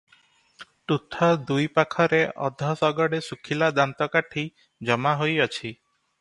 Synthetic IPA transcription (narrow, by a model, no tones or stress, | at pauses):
ʈut̪ʰɔd̪ujpakʰɔɾeʔɔ̰d̪ʱɔsɔɡɔɽesukʰilad̪ant̪ɔkaʈʰi | d͡ʒɔmaɦojɔt͡ʃʰi